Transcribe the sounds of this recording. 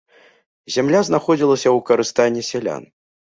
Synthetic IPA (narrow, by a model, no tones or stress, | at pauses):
zʲamlʲaznaxɔd͡zʲilˠɐsʲɐwkɐɾɨst̪anʲːɛsʲɛlʲa̰n